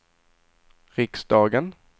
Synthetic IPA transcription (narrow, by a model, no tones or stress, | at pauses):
ɾɪksd̪ɑːɡən